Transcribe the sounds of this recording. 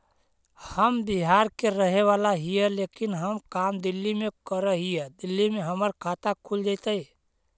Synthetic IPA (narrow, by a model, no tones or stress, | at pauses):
həmbiɦaɾkeɾəɦeʋalaɦiɛlekinɦəmkamd̪ilːimekəɾəɦijed̪ilːimeɦəməɾkʰat̪akʰuld͡ʒat̪əi